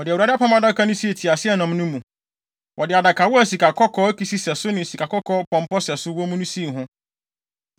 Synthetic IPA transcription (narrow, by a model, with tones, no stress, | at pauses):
wɔ˨dɪ˨wu˨a˨˦da˦a˦pʰa˦mã˦da˦kʰa˦nʊ̃˦si˦e˨tʰi˨a˨sɪ˦ɛ˦˨nã˨m˦nʊ̃˦mũ˨ | wʔɔ˨dɪ˨a˨da˨kʰa˨wɔ˦æ˨si˨ka˨kʰɔ˦kʰɔ˦ki˨si˦sɛ˨sʊ˦nɪ̃˨si˨kʰa˨kɔ˦kʰɔ˦pʰɔ̃˨m˦pɔ˦sɛ˨sʊ˦wɔ˦mũ˦nʊ̃˦si˦˨ɦʊ̃˦